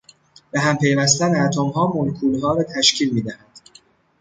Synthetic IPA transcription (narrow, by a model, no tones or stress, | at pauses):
b̥eɦæmpʰe̞jvæst̪æneæt̪ʰomɦɒːmolkʰuːlɦɒːɾɒːt̪ʰæʃcʰiːlmiːd̪æhænd̪̥